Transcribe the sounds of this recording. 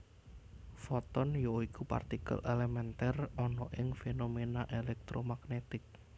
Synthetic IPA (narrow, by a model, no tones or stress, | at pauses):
fɔt̪ɔnjoikupa̰rt̪ikə̰lʔelemɛnt̪ɛrɔnɔʔɪŋfenomenaʔelɛk̚t̪ɾomaɡnet̪ɪk̚